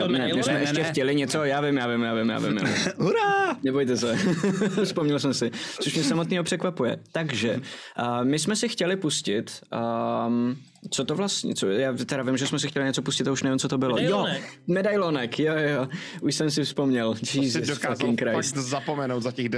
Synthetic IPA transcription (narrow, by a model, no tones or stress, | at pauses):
nɛmɪsmɛʔɛʃcɛxcɛlɪɲɛt͡sojaːvɪmjaːvɪmjaːvɪmja̰ːvɪ̰mja̰uɾanɛbojt̪ɛsɛ | fspomɲɛlsɛmsɪt͡soʃmɲɛs̬amot̪niːɦopr̥ɛkvapujɛ̰t̪aɡʒɛəmɪsmɛsɪxcɛlɪpuscɪt̪əm | t͡sot̪ovlast̪ɲɛ̰t͡sojaːt̪ɛɾavɪmʒɛsmɛsɪxcɛlɪɲɛt͡sopuscɪt̪auʃnɛvɪmt͡sot̪obɪljomɛdajlonɛkjojjoʔuʃsɛmsɪfspomɲɛld͡ʒizɪakɪnkɾazapomɛnowt̪zacɛɣd